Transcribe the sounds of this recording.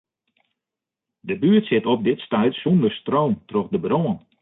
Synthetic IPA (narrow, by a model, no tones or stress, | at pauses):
dəbyətsɪtɔp̚dɪtstɛjtsɔndərstroːmtrɔxdəbɾoːən